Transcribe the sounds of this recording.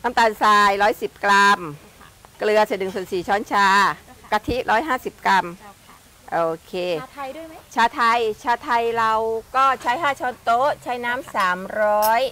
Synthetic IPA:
ʔa˧˦mt̪aː˧˩nsaː˧jɾɔː˦˥jsi˨˩p̚kla˧m | klɯ˧ɐsiː˨˩˦nɯ˨˩ŋsu˨˩ənsiː˨˩t͡ɕʰɔː˦˥nt͡ɕʰaː˧ka˧t̪ʰi˦˥ɾʔɔː˦˥jɦaː˥˩si˨˩p̚kɾa˧m | ʔoː˧˩kʰeː˧˥ | t͡ɕʰaː˧˥t̪ʰa˧jt͡ɕʰaː˧t̪ʰa˧jɾa˧wkɔː˥˩t͡ɕʰa˦˥jɦaː˥˩t͡ɕʰɔː˧˥nt̪o˦˥ʔt͡ɕʰa˦˥jnaː˦˥msaː˩˦mɾɔː˦˥j

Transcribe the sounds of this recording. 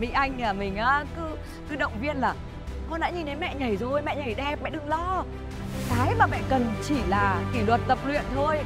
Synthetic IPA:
mḭ˧˥ʔa˧jŋ̟aː˨˩mï˨˩ŋ̟ʔaː˨˦kɨ˨˦ | kɨ˨˦ɗə̰˧˨wŋ͡mvi˧ənlaː˨˩ | kɔ˧nɗa̰ː˧˥ɲi˨˧˩nɗe˨˦jmɛ̰˧˨ɲə˨˩jzo˨˩jmɛ̰˧˨ɲə˨˩jɗɛ˧p̚mɛ̰˧˨ɗɨ˧ŋlɔ˧ | kaː˨˦jmaː˨˩mɛ̰˧˨kə˨˩nt͡ɕi˧˩laː˨˩ki˧˩lwə˨˩t̚t̪ə˨˩p̚lwḭ˧˨ənt̪ʰo˧j

